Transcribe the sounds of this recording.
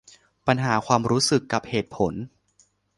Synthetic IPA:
pa˧nɦaː˩˦kʰwaː˧mɾuː˦˥sɯ˨˩kːa˨˩p̚heː˨˩t̪̚pʰo˩˦n

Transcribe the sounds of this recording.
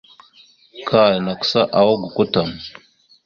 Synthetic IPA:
kʰa˨jna˨ksa˦ʔa˨wa˦ɡu˨kʷu˦ta˨m

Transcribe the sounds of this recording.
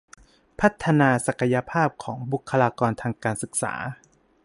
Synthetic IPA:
pʰa˦˥t̪ʰːa˧naː˧sa˨˩ka˧ja˧pʰaː˥˩p̚kʰɔː˩˦ŋbu˨˩kʰːa˧laː˧kɔː˧nt̪ʰaː˧ŋkaː˧nsɯ˨˩k̚sa̰ː˩˦

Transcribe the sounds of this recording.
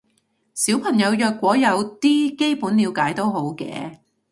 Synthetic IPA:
siː˨˥wpʰɐ˨˩ŋjɐ˨˧wjœː˧kʷːɔː˨˥jɐ˨˧wt̪iː˥ke˥jpuː˨˥nliː˨˧wkaː˨˥jt̪o˥wɦo˨˥wkɛ̰ː˧

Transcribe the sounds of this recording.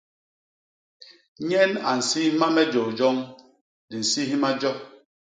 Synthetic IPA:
ɲɛ˦na˨n̩˨si˦hma˦mɛ˦d͡ʒo˨d͡ʒɔ˦ŋ | di˨n̩˨si˦ɦi˦ma˦d͡ʒɔ˦

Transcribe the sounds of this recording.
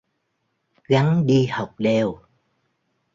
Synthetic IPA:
ɣa˨˦ŋɗi˧ha˨˩wk͡p̚ɗe˨˩w

